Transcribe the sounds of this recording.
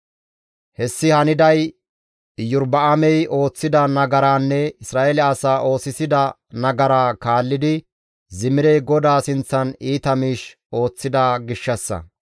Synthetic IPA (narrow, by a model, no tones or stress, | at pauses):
hɛsːɪhɐnɪd̪ɐj | jʊɾbɐʔɐmɛjʔo̞ːt͡sːɪd̪ɐnɐɡɐɾaːnːɛɪsɾaːʔɛlɛɐsaːʔo̞ːsɪsɪd̪ɐ | nɐɡɐɾaːkaːlːɪd̪ɪ | zɪmɪɾɛɡɔd̪aːsɪnt͡sːɐniːt̪ɐmiːʃ | o̞ːt͡sːɪd̪aːɡɪʃːɐsːɐ̰